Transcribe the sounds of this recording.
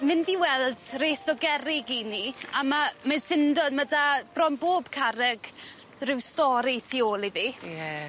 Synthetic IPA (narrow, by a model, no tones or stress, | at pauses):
mɪndiwɛlˠdreːθɔɡɛɾɪɡiniamamansɪndɔdmədab̥rɔnboːb̥kʰaɾɛɡ | rɪwstɔɾitʰiːoːlˠivijɛ